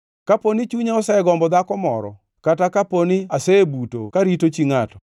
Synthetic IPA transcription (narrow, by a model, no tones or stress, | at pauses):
kaponit͡ʃuɲaɔsaɛɡɔmbɔd̪akɔmɔ̰ɾɔ̰ | katakaponɪaseebuto̰kaɾitot͡ʃiŋatɔ̥